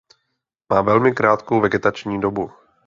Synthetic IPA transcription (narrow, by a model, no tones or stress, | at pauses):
maːvɛlmɪkɾaːt̪kowvɛɡɛt̪at͡ʃɲiːdo̞bu